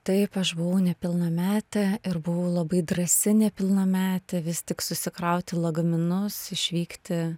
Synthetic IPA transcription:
t̪ɐɪpɐʃbʊʋɐʊnʲɛpʲɪlˠnɐmʲæːt̪ʲɛɪɾbʊʋɐʊlˠɐbɐɪd̪ɾɐsʲɪnʲɛpʲɪlˠnɐmʲæːt̪ʲɛʋʲɪst̪ʲɪksʊsʲɪkɾɐʊt̪ʲɪlˠɐɡɐmʲɪnʊsɪʃʲʋʲiːkt̪ʲɪ

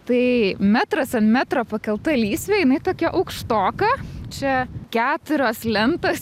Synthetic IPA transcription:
t̪ɐɪmʲæːt̪ɾɐsɐnmʲæt̪ɾoːpɐkʲɛlˠt̪ɐlʲiːsʲʋʲɛjɪnɐɪt̪oːkʲɛʔɐʊkʃt̪oːkɐt͡ʃʲɛkʲæːt̪ʊɾʲoːslʲɛnt̪ɐs

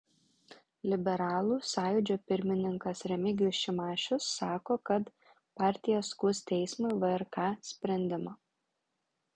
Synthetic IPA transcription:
lʲɪbʲɛɾɑːlˠuːsɑːjʊd͡ʒʲoːpʲɪɾʲmʲɪnʲɪŋkɐsɾʲɛmʲɪɡʲɪjʊsʃʲɪmɑːʃʲʊsːɑːkoːkɐt̪ | pɑːɾʲt̪ʲɪjɛskʊst̪ʲɛɪsmʊɪʋɐɪɾkɑːsʲpʲɾʲɛnʲd̪ʲɪmo

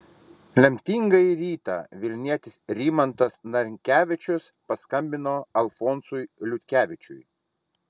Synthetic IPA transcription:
lʲɛmʲt̪ʲiŋɡɐiɾʲiːt̪ɐ̰ʋʲɪlʲnʲiɛt̪ʲɪsɾʲiːmɐnt̪ɐsnɐɾʲŋʲkʲæːʋʲɪt͡ʃʲʊspɐskɐmʲbʲɪnoːɐlˠfɔnsʊɪlʲʊt̪ʲkʲæːʋʲɪt͡ʃʲʊ̰j

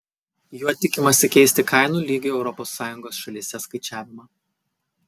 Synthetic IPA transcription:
juɔt̪ʲɪkʲɪmɐsʲɪkʲɛɪsʲt̪ʲɪkɐɪnuːlʲiːɡʲʊɛʊɾɔpɔsːɑːjʊŋɡoːsʃɐlʲiːsʲɛskɐɪt͡ʃʲæːʋʲɪmɐ

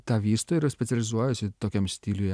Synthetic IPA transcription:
t̪ɑːʋʲiːst̪oːiːɾɐsʲpʲɛsʲɛlʲɪzuɔjʊsʲɪt̪oːkʲɛmsʲt̪ʲiːlʲʊjɛ

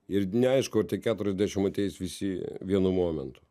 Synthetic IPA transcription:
ɪɾnʲɛɐɪʃkʊɐɾt̪ʲɪkʲæːt̪ʊɾʲɛzʲd̪ʲæʃʲɪmɐt̪ʲɛɪsʋʲɪsʲɪʋʲiɛnʊmoːmʲɛnt̪ʊ̥

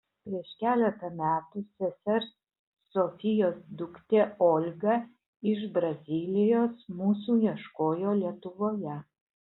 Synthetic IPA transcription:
pʲɾʲiɛʃkʲæːlʲɛt̪ɐmʲæːt̪ʊsʲɛsʲɛɾs | sofʲɪjoːsd̪ʊkt̪ʲeːɔːlʲɡɐ | ɪʃbɾɐzʲiːlʲɪjoːsmuːsuːjiɛʃkoːjoːlʲiɛt̪ʊʋoːjɛ

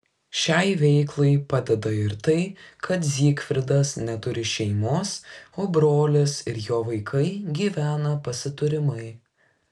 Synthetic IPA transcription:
ʃʲɛɪʋʲɛɪklˠɐɪpɑːd̪ʲɛd̪ɐɪɾt̪ɐɪkʰɐt̪zʲiːkfʲɾʲɪd̪ɐsnʲɛt̪ʊɾʲɪʃʲɛɪmoːsoːbɾoːlʲɪsɪɾjoːʋɐɪkʰɐɪɡʲiːʋʲæːnɐpɐsʲɪt̪ʊɾʲɪmɐɪ

